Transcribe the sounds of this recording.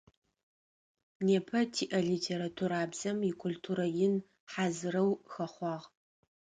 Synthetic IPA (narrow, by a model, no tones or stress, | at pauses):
neːpʰɐtʰiːʔɐɮitʰeɾatʰuɾaːbz̥ɐmikʰʊltʰuːɾɐjɪn | ħaːzɨɾɐwxɐχʷɑːʁ